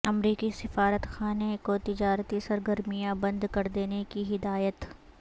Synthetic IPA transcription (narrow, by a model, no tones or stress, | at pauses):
ɐmɾiːkisɪfaːɾət̪xaːnekot̪ɪd͡ʒaːɾt̪isɐɾɡəɾmijãbɐ̃nd̪kɐɾd̪eːnekiɦɪd̪aːjət̪